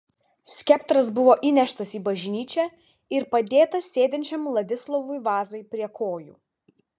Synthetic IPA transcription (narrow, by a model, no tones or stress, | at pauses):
sʲkʲɛpt̪ɾɐsbʊʋoːʔinʲɛʃt̪ɐsiːbɐʒʲnʲiːt͡ʃʲæː | ɪɾpɐd̪ʲeːt̪ɐssʲeːd̪ʲɛnʲt͡ʃʲɛmlˠɐd̪ʲɪslˠɔʋʊjʋɑːzɐɪpʲɾʲiɛkʰoːjṵː